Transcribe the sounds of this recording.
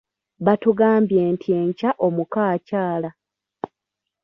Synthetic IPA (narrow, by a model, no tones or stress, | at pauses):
βatuɡaːmbje̞ːntʰie̞ːɲcaʔo̞mukaːcaːla